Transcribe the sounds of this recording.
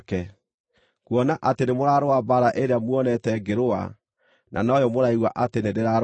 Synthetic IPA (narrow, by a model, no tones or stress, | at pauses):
kɛ | kwɔnaʔatenemoɾaːɾoabaɾaʔeɾeamwɔnɛtɛɡeɾoa̰ | nʔa̰nɔjɔmoɾaiɣwaʔatenendeɾaɾ